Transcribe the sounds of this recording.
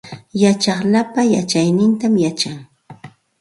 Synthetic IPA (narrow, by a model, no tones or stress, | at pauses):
jat͡ʃɑχlapajat͡ʃajnɪnt̪amjat͡ʃaŋ